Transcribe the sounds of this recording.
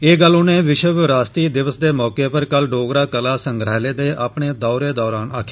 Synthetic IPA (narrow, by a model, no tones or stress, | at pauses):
eːɡəlːʊnẽːʋɪʃəʋɾaːst̪iːd̪ɪʋəsd̪eːmɔːkeːpəɾkəlɖoːɡɾaːkəlaːsəŋɡɾaːleːd̪eːʔaːpɳeːd̪ɔːɾeːd̪ɔːɾaːnaːkʰːeː